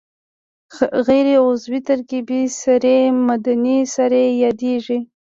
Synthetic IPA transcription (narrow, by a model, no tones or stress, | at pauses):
ɣejɾeʊzwit̪aɾkibisaɾemad̪anisaɾejɑd̪eʒi